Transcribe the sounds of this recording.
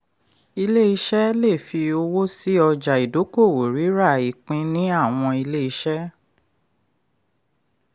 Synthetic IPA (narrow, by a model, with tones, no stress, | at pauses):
i˧le˦i˧ʃɛ˦le˦˨fi˧o˧wo˦si˦ɔ˧d͡ʒa˨i˨do˨˦ko˦˨wo˨ɾi˨˦ɾa˦˨i˨k͡pĩ˧nĩ˦a˦˨w̃ɔ̃˧i˧le˦i˧ʃɛ˦